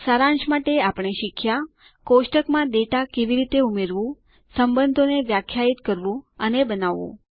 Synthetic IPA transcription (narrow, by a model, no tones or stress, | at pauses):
saɾãnʃmaʈeapɳ̃eʃikʰja | koʃʈəkmãd̪eʈakeʋiɾit̪eumeɾʋũ | səmbənd̪ʱoneʋjakʰːjait̪kəɾʋũənebənaʋṵ̃